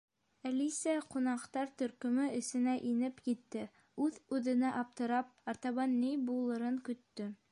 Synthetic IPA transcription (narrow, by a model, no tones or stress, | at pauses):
ælisæqunɑqt̪ɑɾt̪ɵ̆ɾkɵ̆mɘɘ̆sɘ̆næʔinɘpkit̪ːɘ | ʉðʉðɘ̆næʔɑp̚t̪ɤ̆ɾɑp̚ɑɾt̪ɑβɑnːijbulˠɤ̆ɾɤŋkɵ̆t̪ːɵ